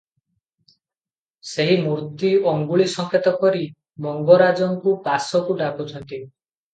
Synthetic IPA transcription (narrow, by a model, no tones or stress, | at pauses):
seɦimuɾt̪iɔŋɡuɭisɔŋkʰet̪ɔkɔɾi | mɔŋɡɔɾad͡ʒɔŋkubasɔkuɖakut͡ʃʰɔnt̪i